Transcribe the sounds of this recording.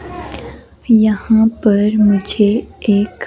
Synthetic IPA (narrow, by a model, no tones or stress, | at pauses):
jɐhãpɐɾmʊd͡ʒʱeeːk